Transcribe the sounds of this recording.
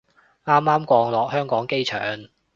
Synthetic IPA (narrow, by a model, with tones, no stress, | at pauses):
aː˥maː˥mkʷɔː˧ŋlɔː˨k̚hœː˥ŋkɔː˨˥ŋke˥jt͡ʃʰœ̰ː˨ŋ